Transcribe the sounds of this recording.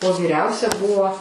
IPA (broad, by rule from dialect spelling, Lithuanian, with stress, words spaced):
oː ʋʲiːˈrʲɛʊsʲɛ ˈbʊʋoː